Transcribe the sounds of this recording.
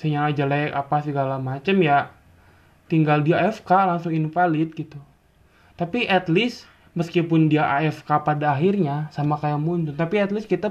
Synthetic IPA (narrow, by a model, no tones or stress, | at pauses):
səɲaad͡ʒalajapasəɡalamat͡ʃəmja | t̪iŋɡaldiaɛfkalaŋsʊŋɪnfalɪt̪̚ɡit̪u | t̪apiʔat̪lɪs | məskipʊndiaʔaɛfkapadaːɦirɲasamakajamuɲd͡ʒʊnt̪apiɛt̪lɪskit̪a